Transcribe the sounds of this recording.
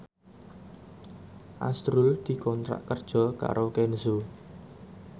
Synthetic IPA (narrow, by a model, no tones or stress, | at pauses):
ʔa̰st̪ɾʊld̪̥i̤kɔnt̪ɾa̰ʔkərd̥ʒ̥ɔ̤ka̰ɾʔokɛnso